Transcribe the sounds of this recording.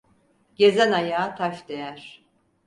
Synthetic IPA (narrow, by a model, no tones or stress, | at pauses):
ɟ̥ezɛnajaːt̪ʰafd̪ejæɾ̥